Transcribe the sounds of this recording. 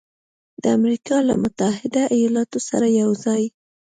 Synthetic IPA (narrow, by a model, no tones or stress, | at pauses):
d̪̥əamɾikɑla̰mʊt̪ahɪd̪aʔajɑlɑt̪osaɾajawzɑj